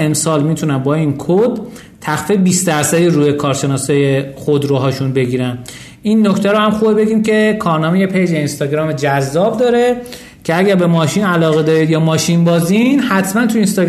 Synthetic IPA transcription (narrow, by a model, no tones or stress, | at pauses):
emsɒːlmiːt̪ʰunænbɒːiːnkʰod̪ | t̪ʰːæxfibiːsd̪æɾsæd̪iɾuːjekʰɒːɾʃe̞nɒːsɒːje̞xod̪ɾoɦɒːʃunbe̞ɟiːɾæn | inːoct̪ʰæɾohæmxuːbebe̞ɡiːmcʰe̞kʰɒːɾnɒːmejepʰejd͡ʒeinst̪ɒːɡɾɒːmed͡ʒæzːɒːb̚d̪ɒːɾe | cʰe̞æɟæɾbe̞mɒːʃiːnælɒːɣe̞d̪ɒːɾid̪jɒːmɒːʃinbɒːzinhæt̪ʰmænt̪ʰuinst̪ɒː